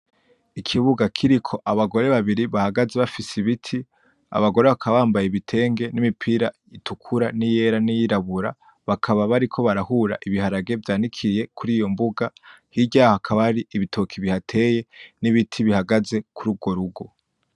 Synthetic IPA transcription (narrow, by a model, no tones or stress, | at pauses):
ikʰiβuɡakʰiɾikʰo̞ʔaβaɡo̞ɾe̞βaβiɾiβahaɡaze̞βafisiβitʰi | a̰βaɡo̞ɾe̞βakʰaβaːmbajeβitʰe̞ːŋɡe̞nimipʰiɾa | itʰukʰuɾanije̞ɾanijiɾaβuɾa | βakʰaβaβaɾikʰo̞βaɾahuɾa̰ʔiβihaɾaɡe̞vjaːndikʰije̞kʰuɾiːjo̞mbuɡahiɟaːhohakʰaβaaɾiʔiβitʰo̞kʰiβihatʰe̞je̞niβitʰiβihaɡaze̞kʰuɾuɡo̞ɾuɡo̞